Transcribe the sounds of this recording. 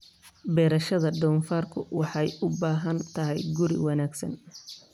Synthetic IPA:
bɛːɾɐʃɐðɐɖɔːnfaːrkʰʊwɑħɑjʊbaːɦɐnt̪ʰɐɦɛjɡʊɾɪ̰wɑnaːɡsɐ̰n

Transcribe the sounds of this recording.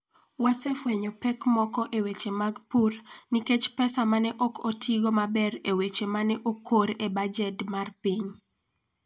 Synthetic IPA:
wasɛfweɲɔpɛkmɔkɔʔewet͡ʃemaɡpurniket͡ʃpɛsamanɛʔɔkʰotiɡomabɛɾewet͡ʃemanɛʔokʰːoɾebad͡ʒɛtmarpiɲ

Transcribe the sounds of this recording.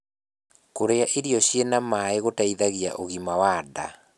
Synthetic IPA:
koɾeaʔeɾjɔɕjenamaeɣotaiðaɣja̰ʔoɣimawaːda̰

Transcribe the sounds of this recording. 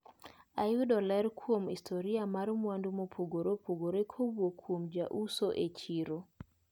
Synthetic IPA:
ajudɔlɛɾkʰwomistʰoɾiamaɾmwandumopʰoɡoɾopʰoɡoɾekʰobwokʰwomd͡ʒaʔusoʔet͡ʃiɾo

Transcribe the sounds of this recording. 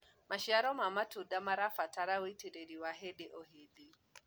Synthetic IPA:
maʃiaɾɔmamatuɗamaɾafataɾawetiɾeɾiwaɦɛɗɛʔɔɦidi

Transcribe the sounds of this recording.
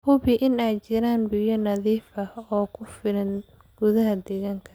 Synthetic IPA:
hʊβɪʔɪnɛjt͡ʃɪɾaːnbɪjɐnɐðiːfɐɔːkʰʊfɪlɐn | ɡ̥ʊðɐɦɐd̪ɛɣaːŋkʰɐ

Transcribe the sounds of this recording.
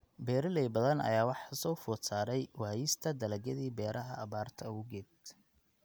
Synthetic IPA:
bɛːɾɪlɛjbɐðɐnɐ̰jaːwɑħsɔːfɔːt̪saːɾɛjwaːjɪst̪ʰɐd̪ɐlɐɡɐðiːbɛːɾʔɐɦɐːβaːrt̪ʰɐʊɣɛːd̪

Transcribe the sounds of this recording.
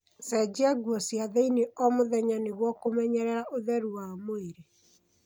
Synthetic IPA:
sɛd͡ʑiaɡwɔsjaðeineʔɔmoðɛɲaneɣwɔkomɛɲɛɾɛɾaʔoðɛɾuwaomoeɾe

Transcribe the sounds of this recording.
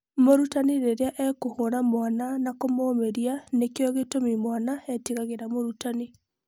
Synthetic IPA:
moɾutaniɾeɾeaʔɛkohoɾamwananakomoːmeɾianekeɔɣetomimwanaɛtiɣaɣeɾamoɾutani

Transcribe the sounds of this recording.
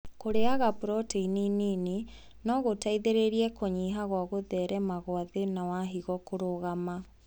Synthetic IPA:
koɾeaɣapɾɔteininine | nɔɣotaiðeɾeɾiɛkoɲiɦaɣwaɣoðɛɾɛmaɣwaðenawaɦiɣɔkoɾoɣama

